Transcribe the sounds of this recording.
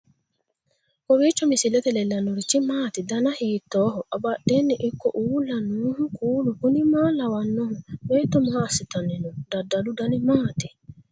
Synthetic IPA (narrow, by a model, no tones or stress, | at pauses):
kowit͡ʃɔmisilɛt̪ɛlɛlanoɾit͡ʃimaːtidanahitːɔɦɔʔabadenːiʔikːɔʔulanuːhũkuːlukunimaːlawanːɔhũmɛt̪ɔmasitanɛnɔdadaludanimaːti